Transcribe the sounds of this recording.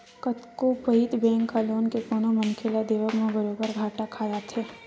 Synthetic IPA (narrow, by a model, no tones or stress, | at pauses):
kət̪kopəɦit̪bẽːŋkːaloːnkepʊnomɐŋkʰelad̪eːʋəkmẽbəɾoːbəɾɡʱaːʈakʰaːd̪at̪ʰeː